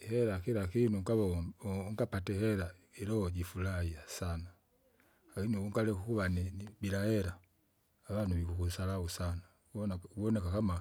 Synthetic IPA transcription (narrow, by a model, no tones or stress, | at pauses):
hɛɾakiɾakinuŋkaβaŋɡapatɛhɛɾa | iɾɔhɔɟifulaiasana | akiniuŋɡalɛkukuβanibiɾahɛɾaː | βanuβikukusalausana | nauβɔnɛkakama